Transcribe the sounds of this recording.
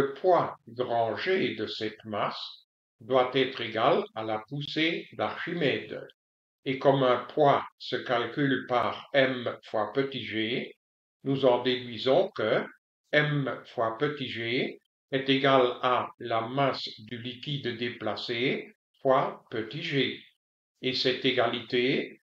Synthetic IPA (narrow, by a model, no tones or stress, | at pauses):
ləpwaɡʁɑ̃ʒed̪əsɛt̪mas | d̪wat̪ɛt̪χeɡalalapused̪aʁʃimɛd̪ | ekɔmɛ̃pwasəkalkʲylpaʁɛmfwapət̪iʒe | nuzɑ̃d̪ed̪ɥizɔ̃kə | ɛmfwapøt̪iʒe | ɛt̪eɡalalamasd̪ylikʲid̪d̪eplase | fwapət̪iʒe | esɛt̪eɡalit̪e